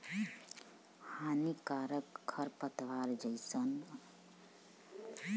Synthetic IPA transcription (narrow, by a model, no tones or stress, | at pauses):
haːnikaːɾəkkʰːəɾpət̪ʋaːɾd͡ʒəjsən